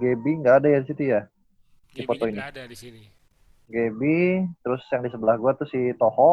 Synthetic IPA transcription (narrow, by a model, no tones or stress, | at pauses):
ɡebiŋɡaːdajadisit̪uja | difot̪ɔini | ɡebit̪əɾʊsjaŋdisəbəlahɡuat̪ʊsit̪ɔhɔ